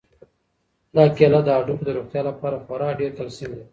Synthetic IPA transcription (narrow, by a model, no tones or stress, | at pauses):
nɑkelad̪əaɖupd̪əɾoχt̪jɑlapɑɾaxaɾɑɖeɾt̪alsimd̪e